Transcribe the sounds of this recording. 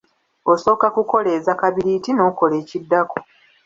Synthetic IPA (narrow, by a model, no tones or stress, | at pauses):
oso̞ːkakuko̞le̞ːzakaβiɾiːtino̞ːko̞leːcidːako